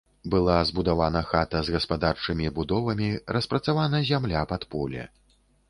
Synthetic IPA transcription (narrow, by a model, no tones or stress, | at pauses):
bɨlˠazbud̪avanɐxat̪ɐzɣɐspad̪art͡ʂɨmʲibud̪ɔvɐmʲiɾɐspɾɐt̪savanɐzʲamlʲapat̪pɔlʲɛ̰